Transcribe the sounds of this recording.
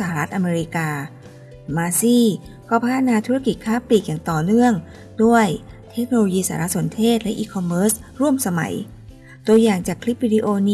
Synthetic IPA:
sa˧˩ha˨ɾa˦˥t̪̚ʔa˧meː˧ɾi˧˥kaː˧ | maː˧siː˥˩ | kʰɔː˧˩pʰa˦t̪ʰːa˧naː˧t̪ʰu˦˥a˥˧ki˨˩kʰaː˥˩pliː˨˩k̚jaː˨˩ŋt̪ɔː˨˩nɯ˥˩əŋ | du˥˩əjt̪ʰe˦˥k̚no˧loː˧jiː˧saː˧˩˦ɾa˦˥so˩˦nt̪ʰeː˥˩t̪̚lɛ˦˥ʔiː˧kʰɔ˧mːɤː˦˥sɾu˥˩əmsa˧ma̰˩˦j | t̪u˧əjaː˨˩ŋt͡ɕaː˨˩kʰli˦˥p̚wiː˧diː˧ʔoː˧ni˦˥

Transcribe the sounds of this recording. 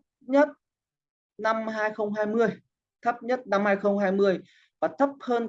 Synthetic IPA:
ɲə˦˥t̚ | na˧mɦaː˧jxə˧wŋ͡mɦaː˧jmɨ˧əj | t̪ʰə˦˥p̚ɲə˦˥t̚na˧mhaː˧jxə˧wŋ͡mɦaː˧jmɨ˧əj | vaː˨˩t̪ʰə˦˥p̚həː˧n

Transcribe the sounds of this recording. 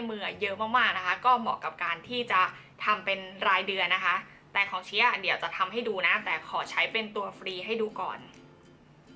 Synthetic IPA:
a˧jmɯ˧˩ɐjɤ˦˥ʔmaː˥˩k̚maː˥˩k̚na˦˥kʰa˦˥kɔː˥˩mɔ̰ː˨˩kːa˨˩p̚kaː˧nt̪ʰiː˥˩t͡ɕa˨˩ | t̪ʰa˧mpe˧nɾaː˧jdɯ˧ənːa˦˥kʰa˦˥ʔ | t̪ɛː˨˩kʰɔː˩˦ŋt͡ɕʰi˦˥˩di˩˦əwt͡ɕa˨˩t̪ʰa˧mɦa˥˩jduː˧na˦˥t̪ɛː˨˩kʰɔː˩˦t͡ɕʰa˦˥jpe˧nt̪u˧ɐfɾiː˧ɦa˥˩jduː˧kɔ̰ː˨˩n

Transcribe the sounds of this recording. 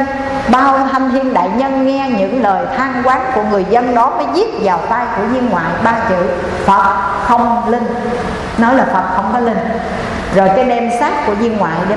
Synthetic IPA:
ɓaː˧o˧t̪ʰa˧jnt̪ʰi˧ənɗa̰ː˧˨jɲə˧nŋɛ˧ɲɨ̰˧˥ŋləː˨˩jt̪ʰaː˧ŋkwaː˨˦nku˧˩əŋɨ˨˩əjzə˧nɗɔ˨˦məː˨˦jzi˦˥ət̚vaː˨˩wt̪aː˧jku˧˩əɲi˧ənŋwa̰ː˧˨jɓaː˧t͡ɕḭ˧˨ | fə˨˩t̚xə˧wŋ͡mlï˧ŋ | nɔ˨˦jlaː˨˩fə˨˩t̚xə˧wŋ͡mkɔ˨˦lï˧ŋ | zo˨˩jkaː˨˦jɗɛ˧msaː˦˥t̚ku˧˩əɲi˧ənŋwa̰ː˧˨jɗe˨˧˦

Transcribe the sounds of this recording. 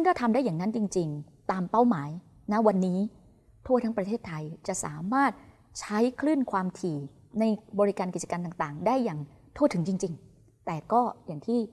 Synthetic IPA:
sʰɯ˥˩ŋkɔː˥˩t̪ʰa˧mda˥˩jːaː˨˩ŋna˦˥nt͡ɕi˧ŋt͡ɕi˧ŋ | t̪aː˧mpa˥˩wmaː˩˦j | na˦˥wa˧nːiː˦˥ | t̪ʰu˥˩t̪ʰa˦˥pɾa˧t̪ʰeː˥˩t̪ʰːa˧jt͡ɕa˨˩ʔsa̰ː˩˦maː˥˩t̪̚ | t͡ɕʰa˦˥jkʰɾɯ˥˩nkʰwaː˧mt̪ʰiː˨˩ | na˧jbɔː˧ɾi˦˥kaː˧nki˨˩t͡ɕa˧ka˧nt̪aː˨˩ŋt̪aː˨˩ŋdaː˥˩jːaː˨˩ŋ | t̪ʰu˥˩t̪ʰɯ˩˦ŋt͡ɕi˧ŋt͡ɕi˧ŋ | t̪ɛː˨˩kɔː˥˩jaː˨˩ŋt̪ʰiː˥˩

